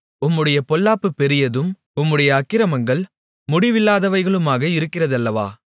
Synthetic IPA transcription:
ʊmːɯɽɐjɐpɔlːaːpːɯpɛɾɪjɐðɯm | ʊmːɯɽɐjɐːkːɪɾɐmɐŋɡɐɭ | mʊɽɪʋɪlːaːðɐʋɐɪɣɐɭɯmaːɣɐɪɾɯkːɪrɐðɐlːɐʋa̰ː

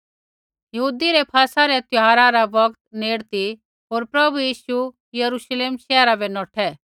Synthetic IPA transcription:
jɐɦuːd̪iɾɛpʰaːsaɾɛt̪jʊɦaːɾaɾaʋɐɡt̪neːɽt̪i | ɦoːɾpɾɐbujiːʃu | jɐɾuʃleːmʃɛːɾabɛnɔːʈʰɛ

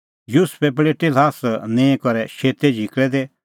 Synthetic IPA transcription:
juspɛpɽeːʈelaːsnɛ̃ːkɔɾɛʃeːt̪ɛd͡ʒʱikɭɛd̪e

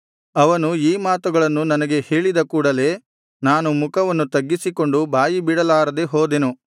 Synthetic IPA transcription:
ɐʋɐnuiːmaːt̪uɡɐɭɐnːunɐnɐɡe̞he̞ːɭid̪ɐkuːɽɐle̞ː | naːnumukʰɐʋɐnːut̪ɐɡːisiko̞ɳɖubaːjibiɽɐlaːɾɐd̪eɦoːd̪e̞nu

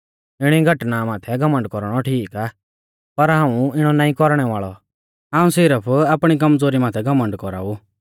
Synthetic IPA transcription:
ɪɽ̃iɡʱɐʈnamaːt̪ʰɛɡʱɐmə̃ɳɖkɔɾɽ̃ɔʈʰiːkaː | pɐɾɦãːũɪɽ̃ɔnãːĩkɔɾɽ̃ɛʋaːɭɔ̰ | aːũsɪɾəpʰaːpɽ̃ik̬ɐmd͡zoːɾimaːt̪ʰɛɡʱɐmə̃ɳɖkɔɾa̰ːu

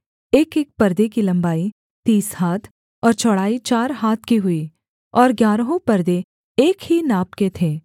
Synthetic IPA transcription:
eːkeːk̚pɐɾd̪ekilɐ̃mbaːi | t̪iːshaːt̪ʰ | ɔːɾt͡ʃʰɔɽaːit͡ʃaːɾɦaːt̪ʰkiɦʊi | ɔːɾɡjaːɾɦõpɐɾd̪e | eːkɦinaːpket̪ʰeː

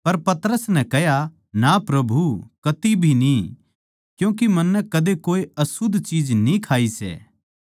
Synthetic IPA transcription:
pɐɾpɐt̪ɾəsnɛ̃kɛɦja | napɾɐbʱukɐt̪ibʱini | kjũːk̬imɐnːɛkɐd̪ekoːiɐsʊd̪ʱt͡ʃiːd͡ʒnĩkʰaːisɛ̰ː

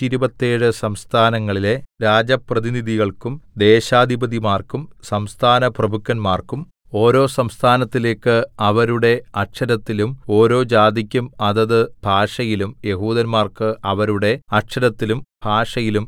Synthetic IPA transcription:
iɾubɐt̪ːeːɽɨsɐmst̪ʰaːnɐŋːɐɭile̞ɾaːd͡ʑɐprɐðiniðiɣɐɭkumd̪e̞ːɕaːd̪ʱibɐd̪imaːrkumsɐmst̪ʰaːnɐprɐbʱukːɐnmaːrkum | o̞ːɾo̞ːsɐmst̪ʰaːnɐt̪ːile̞ːkːɨɐʋɐɾuɽe̞ɐʈʂɐɾɐt̪ːilumo̞ːɾo̞ːd͡ʑaːd̪ikʲːumɐðɐðɨb̥ʱaːʂɐjilumje̞ɦuːd̪ɐnmaːrkɨɐʋɐɾuɽe̞ɐʈʂɐɾɐt̪ːilumb̥ʱaːʂɐjilum

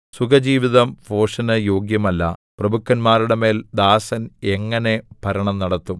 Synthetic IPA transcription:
suɡɐd͡ʑiːʋiðɐmfo̞ːʂɐnɐjo̞ːɡjɐmɐlːɐ̰prɐbukːɐnmaːɾiɽeme̞ːld̪aːsɐne̞ŋːɐne̞bʱɐɾɐɳɐmnɐɽɐt̪ːum

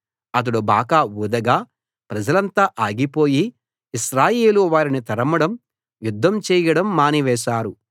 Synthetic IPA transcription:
ɐt̪̬ɐɽubaːkaːuːd̪ɐɡaː | pɾɐd͡ʒɐlɐnt̪aːʔaːɡipo̞ːjiː | ʃɾaːjeːluʋaːɾinit̪ɐɾɐmɐɽɐm | jud̪ʱːɐmt͡ʃɛːjɐɽɐmːaːniʋɛːʃaːɾu

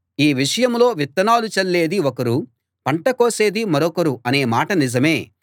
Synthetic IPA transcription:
iːʋiʂɐjɐmlo̞ːʋit̪ːɐnaːlut͡ʃɐlːe̞ːd̪iokɐɾu | pɐɳʈɐkoːse̞ːd̪imɐɾɔkɐɾuɐne̞ːmaːʈɐnid͡ʒɐme̞ː

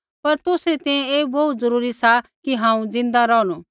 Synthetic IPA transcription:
pɐɾt̪ʊsɾet̪ɛ̃jẽeːbɐut̪zɐɾuːɾisakiɦãːũd͡zɪ̃n̆d̪aɾɔːnu

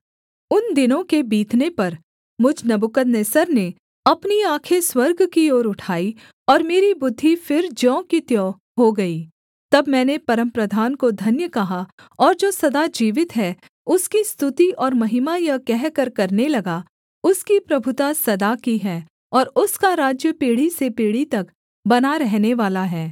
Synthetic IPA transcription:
ʊnd̪ɪnõkebiːt̪nepɐɾ | mʊd͡ʒʱnɐbʊkət̪neːsəɾne | ɐpniaːkʰeswɐɾɡkioːɾʊʈʰaːi | ɔːɾmeːɾibʊd̪ʱːifɪɾd͡ʒɔ̃ːkit̪jɔ̃ː | ɦoɡɐiː | t̪ɐbmɛ̃ːnepɐɾə̃mpɾəd̪ʱaːnkod̪ʱɐnjəkɐɦa | ɔːɾd͡ʒoːsɐd̪ad͡ʒiːʋɪt̪ɦɛː | ʊskist̪ʊt̪iʔɔːɾmɐɦɪmajɐkɛɦkɐɾkɐɾnelɐɡa | ʊskipɾɐbʱʊt̪asɐd̪akiɦɛː | ɔːɾʊskaɾaːd͡ʒjəpeːɽisepeːɽit̪ɐk | bɐnaɾɛɦneʋaːlaɦɛː

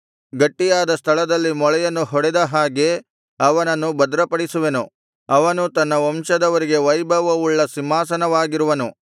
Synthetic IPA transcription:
ɡɐʈːijaːd̪ɐst̪ʰɐɭɐd̪ɐlːimɔɭɐjɐnːuɦɔɽɛd̪ɐɦaːɡe̞ | ɐʋɐnɐnːubɐd̪ɾɐpɐɽisuʋe̞nu | ɐʋɐnut̪ɐnːɐɔmʃɐd̪ɐʋɐɾiɡe̞ʋɐjbʱɐʋɐuɭːɐsimːaːsɐnɐʋaːɡiɾuʋɐnu

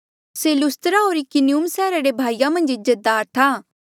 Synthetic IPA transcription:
seːlʊst̪əɾaɦoːɾikɪniuːmsɛːɾaɾebʱaːijãmɐ̃nd͡ʒɪzət̪̚d̪aːɾt̪ʰaː

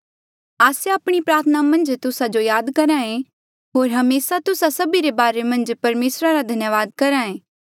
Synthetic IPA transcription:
aːseəpɽ̃ipɾaːɾt̪ʰənamɐ̃nd͡ʒt̪ʊsad͡ʒojaːd̪kɐɾãẽ | ɦoːɾɦɐmeːsat̪ʊsasɐbiɾebaːɾemɐ̃nd͡ʒpɐɾmeːsɾaɾad̪ʱɐnjəʋaːd̪̚kɐɾãẽː

